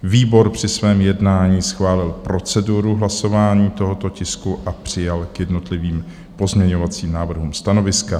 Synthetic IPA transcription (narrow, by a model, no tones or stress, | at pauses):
viːbo̞ɾpr̝̥ɪsvɛːmjɛdnaːɲiːsxvaːlɪlpɾo̞t͡sɛduɾuɦlaso̞vaːɲiːt̪o̞ɦo̞t̪o̞cɪskuʔapr̝̥ɪjalkjɛdno̞t̪lɪviːm | po̞zmɲɛɲo̞vat͡siːmnaːvr̩ɦuːmst̪ano̞vɪska